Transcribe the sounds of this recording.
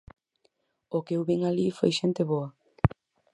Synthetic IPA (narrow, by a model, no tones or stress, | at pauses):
okewβiŋalifo̰jʃent̪eβoa